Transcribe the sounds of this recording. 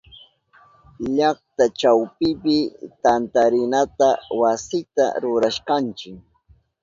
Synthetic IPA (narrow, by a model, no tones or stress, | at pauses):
ʎɑχt̪at͡ʃawpɪpɪt̪ant̪aɾɪnat̪awasɪt̪a̰ɾʊɾaʃqant͡ʃɪk